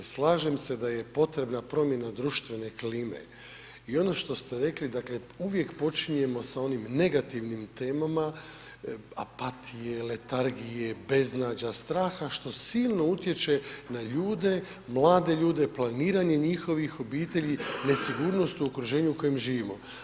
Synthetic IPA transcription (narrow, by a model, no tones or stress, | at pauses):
slˠaːʒe̞mse̞d̪aje̞po̞t̪ɾe̞bnapɾo̞mje̞nad̪ɾuʃt̪ʋe̞ne̞kliːme̞̰ | io̞no̞ʃt̪o̞st̪e̞ɾe̞klid̪akle̞ | uʋje̞kpo̞t͡ʃiɲe̞mo̞sao̞nimne̞ɡat̪iʋnimt̪e̞ːmama | a̰pat̪ʰije̞le̞t̪aɾɡije̞be̞znaːd͡ʑast̪ɾaːxaʃt̪o̞siːlˠno̞ut̪je̞t͡ʃe̞naʎuːd̪e̞ | mlˠaːd̪e̞ʎuːd̪eplˠaniːɾaɲe̞ɲixo̞ʋixo̞biːt̪e̞ʎine̞siɡuːɾno̞st̪uukɾuʒe̞ːɲuuko̞jemʒiːʋimo̞